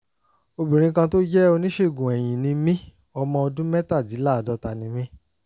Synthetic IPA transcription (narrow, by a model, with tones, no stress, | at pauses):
o˧bĩ˨ɾ̃ĩ˧˦kã˧to˦d͡ʒɛ˦o˧nĩ˦ʃe˦˨ɡũ˨ɛ˨j̃ĩ˨nĩ˧mĩ˦ | ɔ˧mɔ̃˧ɔ˧dũ˦mɛ˦ta˦˨di˨˦la˦˨dɔ˨˧˦ta˨nĩ˧mĩ˦